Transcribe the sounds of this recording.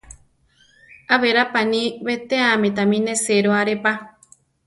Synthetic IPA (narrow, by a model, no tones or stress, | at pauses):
aβeɾapanĩβet̪eamẽt̪̬amĩnẽseɾoaɾepa